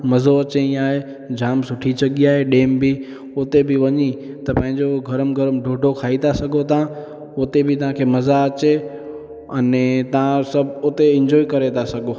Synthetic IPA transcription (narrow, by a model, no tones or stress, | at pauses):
mɐzoɐt͡ɕeĩaːɦe | d͡ʑʱaːmsʊʈʰisɐɠiaːɦeɗeːmbʱi | ʊt̪ebʱɪʋɐɲi | t̪ɐpɐ̃ːɪ̃ɲd͡ʑoɡʱɐɾəmɡʱɐɾəmɖʱoːɖʱokʰaːit̪ʰasɐɡʱot̪ã | ʊt̪ebʱɪt̪ɐʋ̤ãkʰemɐzaɐt͡ɕe | ɐnet̪ɐʋ̤ãsɐbʱʊt̪eɪ̃ɲd͡ʑɔːikɐɾet̪ʰasɐɡʱo